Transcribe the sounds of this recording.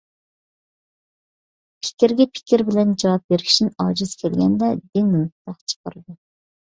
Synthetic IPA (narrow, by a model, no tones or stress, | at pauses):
pʰɪ̥kʲiɾɡʲɛpʰɪ̥kʲiɾbɪlɛnd͡ʒɑwɑp̚beɾɪʃinɑːd͡ʒɨz̥kʲʰelɡʲɛnd̪ɛd̪ɪŋːumqt̪ɑqt͡ʃʰə̥qəɾɨd̪u